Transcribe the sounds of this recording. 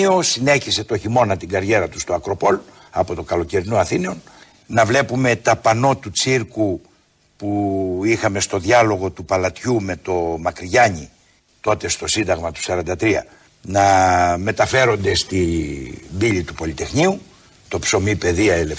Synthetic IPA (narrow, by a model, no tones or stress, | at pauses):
iosine̞çise̞t̪o̞çimo̞nɐt̪iŋɡɐɾʝe̞ɾɐt̪u̥st̪o̞ɐkɾo̞po̞l | ɐpo̞t̪o̞kɐlo̞ce̞ɾinoɐθine̞o̞n | nɐvle̞pume̞t̪ɐpɐno̞t̪ut͡siɾku | puixɐme̞st̪o̞ðʝɐlo̞ɣo̞t̪upɐlɐt̪çume̞t̪o̞mɐkɾiʝɐɲi | t̪o̞t̪e̞st̪o̞sind̪ɐɣmɐt̪u̥sɐɾɐnd̪ɐt̪ɾiɐ̰ | nɐme̞t̪ɐfe̞ɾo̞nd̪e̞st̪i | bilit̪upo̞lit̪e̞xɲiu | t̪o̞pso̞mipe̞ðiɐele